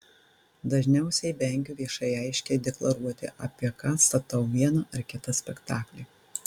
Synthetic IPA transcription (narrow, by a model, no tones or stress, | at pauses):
d̪ɐʒʲnʲɛʊsʲɛɪbʲɛˑŋʲɡʲuːʋʲiɛʃɐɪɛɪʃʲkʲɛd̪ʲɛklˠɐɾuɔt̪ʲɪ̰ʔɐ̰pʲiɛkɑːst̪ɐt̪ɐʊʋʲiɛnɐʔɐɾkʲɪt̪ɐsʲpʲɛkt̪ɑːklʲi